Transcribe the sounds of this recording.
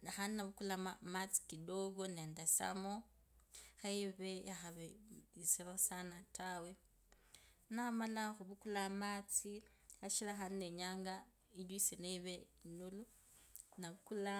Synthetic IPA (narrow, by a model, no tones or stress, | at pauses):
naxaninaβukulamamat͡si̥kidoɡoneːndasa̰mo | xaiβejaxaβeiseβasanatʰawe | namalaxuβukulamat͡si | aʃilaxanineɲaːŋɡa | ilwiseneiβenulu | naβukula